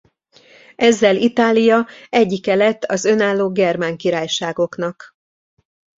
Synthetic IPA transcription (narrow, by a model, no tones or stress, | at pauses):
ɛzːɛlit̪aːlijɒɛɟːikɛlɛt̪ːɒzø̞naːlːoːɡɛrmaːŋkiɾaːjʃaːɡo̞kn̪ɒk